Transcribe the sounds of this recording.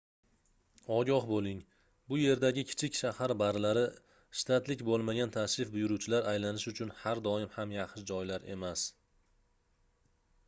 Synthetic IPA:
ɒɡʲɒhbolˠɪŋ | bʊje̞ɾd̪aɡʲɪkʲʰɪ̥t͡ʃʰɪkʲʃahaɾbaɾlaɾɪ | ʃɪ̥t̪ʰat̪lɪkʲbolˠmaɡʲant̪ʰaʃɪfbʊjʊɾuwt͡ʃʰɪlaɾajlanɪʃʊt͡ʃʰʊnhaɾd̪ɒɪmhamjaχɪd͡ʒɒjlaɾe̞̰mas

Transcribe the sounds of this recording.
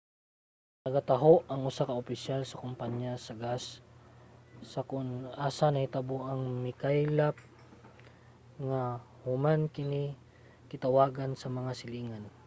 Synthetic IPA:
nɐɡat̪ɐɦoʔɐŋʊsakɐʔʊpɪsalsɐkʊmpaɲjasɐɡas | ɐkʊnʔaːsanɐhɪt̪aboʔɐŋmɪkajlap̚ | ŋa | hʊmankɪni | kɪt̪ɐwaːɡansɐmɐŋasɪliːŋan

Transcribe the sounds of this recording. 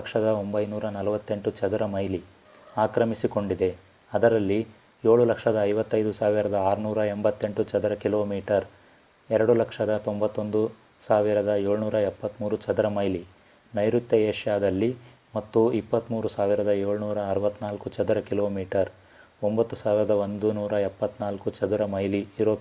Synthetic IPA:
kʂɐd̪ɐombɐjnuːɾɐnɐlɐʋɐt̪ːe̞ɳʈut͡ʃɐd̪ɾɐmɐjli | aːkɾɐmisiko̞ɳɖid̪e̞ | ɐd̪ɐɾɐlːi | je̞ːɭulɐkʂɐd̪ɐːjʋɐt̪ːɐjd̪usaːʋiɾɐd̪ɐaːɾunuːɾɐembɐt̪ːe̞ɳʈut͡ʃɐd̪ɾɐkilo̞ːmiːʈɐɾ | ɛɾɐɽulɐkʂɐd̪ɐt̪o̞mbɐt̪ːo̞nd̪u | saːʋiɾɐd̪ɐe̞ːɭnuːɾɐɛpːɐt̪ːmuːɾut͡ʃɐd̪ɾɐmɐjli | nɐjɾut̪jɐeːʂjaːd̪ɐlːi | mɐt̪ːuipːɐt̪muːɾusaːʋiɾɐd̪ɐeːɭunuːɾɐːɾɐʋɐt̪ːnaːlkut͡ʃɐd̪ɾɐkiloːmiːʈɐɾ | ombɐt̪ːusaːʋiɾɐd̪ɐo̞nd̪unuːɾɐɛpːɐt̪ːnaːlkut͡ʃɐd̪uɾɐmɐjliːɾoː

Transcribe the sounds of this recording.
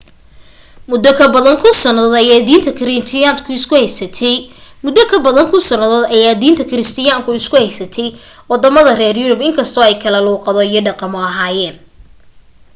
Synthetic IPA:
mʊd̪ːɔkʰɐbɐðɐŋkʰʊsɐnɐðɔːd̪ɐjaːd̪iːnt̪ʰɐkʰɪɾɪt̪ʰɪjaːnkʰʊɪskʰʊhɛjsɐt̪ʰɛjmʊd̪ɔkʰɐbɐðɐŋkʰʊsɐnɐðɔːd̪ɐjaːd̪iːnt̪ʰɐkʰɪɾɪst̪ʰɪjaːŋkʰʊɪskʰʊhɛjsɐt̪ʰɛj | wɑd̪ɐmɐðɐrɛːrjʊɾʊbɪŋkʰɐst̪ʰɔːɛjkʰɐlɐluːqɑðɔijɔɖɑqɑmʊɐɦaːjɛːn

